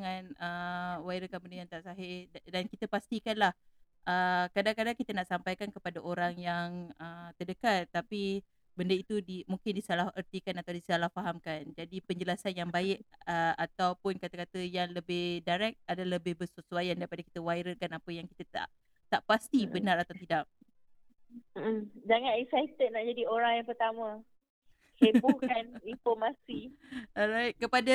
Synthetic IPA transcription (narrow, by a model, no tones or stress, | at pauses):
ŋanəwaiɾəkanbəndəjaŋt̪aʔsaɦɪdankit̪əpast̪ikanlah | ʔəkadaŋkadaŋkit̪ənaʔsampajkankəpadaʔoɾaŋjaŋət̪ədəkat̪̚ːapi | bəndəit̪udimuŋkɪndisalaərt̪ikanat̪awdisəalahfaɦamkand͡ʒadipəɲd͡ʒəlasanjaŋbaɪʔəat̪awpʊnkat̪akat̪əjaŋləbɪhdaɾɛk̪̚adaləbɪhbəsusuajandaɾipadaki̥t̪əwajɾəkanapəjaŋkit̪at̪a̰ʔ | t̪aʔpast̪ibənaɾat̪awt̪idak̚ | m̩d͡ʒaŋãnɛksaj̚t̪əd̪̚naʔd͡ʒadioɾaŋjaŋpərt̪amã | hebukaninfɔmasiɔɾajt̪̚kəpada